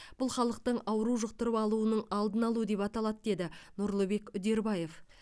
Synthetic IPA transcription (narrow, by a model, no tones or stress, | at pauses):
b̥ʊlˠχɑlˠəq̚t̪əɴɑwəɾuʒəq̚t̪əɾəpɑlˠuənəɴɑlˠd̪ənɑlˠuəd̪e̞pɑt̪ɑlˠɑd̪d̪e̞d̪ɪnʊɾlˠəbe̞kʏd̪e̞ɾbɑje̞f